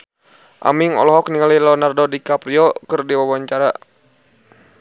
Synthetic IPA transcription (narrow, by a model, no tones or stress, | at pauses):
ʔa̰miŋɔ̰lɔɦɔk̚niŋalilɔnardɔdikapɾiɔkɨrdiwawaɲt͡ʃaɾa